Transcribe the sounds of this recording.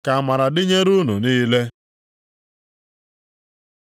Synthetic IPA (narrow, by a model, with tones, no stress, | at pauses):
ka˨ma˨ɾa˨dɪ˦ɲe˦ɾu˦nu˨niː˦le˦